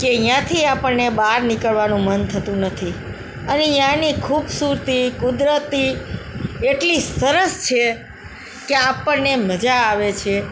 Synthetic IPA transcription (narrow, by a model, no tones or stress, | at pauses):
keĩjãt̪ʰiapəɳnebaɾnikəɭʋanũmənt̪ʰət̪ũnət̪ʰi | əneĩjãnikʰubsuɾt̪ikud̪ɾət̪i | eʈlisəɾəst͡ʃʰe | keapəɳneməd͡ʒaːʋet͡ʃʰe